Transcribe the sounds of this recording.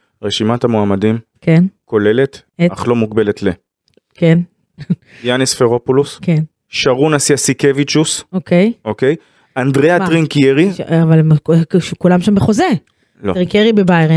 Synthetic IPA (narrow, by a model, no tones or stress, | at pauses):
ʁeʃimathamoamadimkenko̞le̞le̞t̪aχlo̞mukbe̞le̞t̪le | ken | janisfeʁo̞pulusken | ʃaʁunasjasikevit͡ʃusokejokej | andʁeatʁiŋkieʁiʃavalemkʃkulamʃambeχo̞ze | loʁiŋkieʁibebajʁe